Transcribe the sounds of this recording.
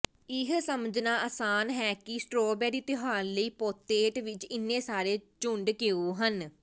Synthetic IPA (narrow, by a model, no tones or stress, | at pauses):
ɪɦsəməd͡ʒnaːəːsaːnɦɛːkɪsʈɾoːbɛːɾiːt̪ɪɦaːnləiːpoːt̪eːʈʋɪt͡ʃɪnːẽːsaːɾeːt͡ʃʊɳɖkeːuːɦən